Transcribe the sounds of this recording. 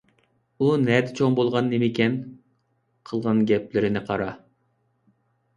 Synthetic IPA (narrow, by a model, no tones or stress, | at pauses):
unɛd̪ɪt͡ʃʰoŋbolˠʁɑnːemɪkʲɛn | qʰəlˠʁɑnɡʲɛplɪɾɪnɪqʰɑɾɑ